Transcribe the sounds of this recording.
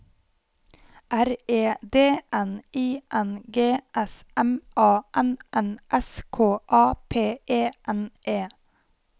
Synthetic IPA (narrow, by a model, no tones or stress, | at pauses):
ʔæɾeːd̪eːʔɛniːʔɛnɡeːʔɛsʔɛmʔɑːʔɛnʔɛnʔɛskʰoːʔɑːpʰeːʔeːʔɛnʔeː